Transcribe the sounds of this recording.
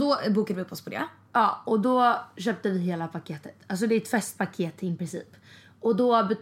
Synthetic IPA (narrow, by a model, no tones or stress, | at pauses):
d̪ɔbuːkad̪vɪɵpːɔspʰɔd̪ḛ | ɑːɔd̪ɔɕøːp̚t̪əvɪɦeːlapʰakʰeːt̪ə̥t̪als̬ɔd̪ɛɾɛt̪fɛst̪̚pʰakʰeːt̪ɪnpɾɪnsḭːp | ɔd̪ɔbɛ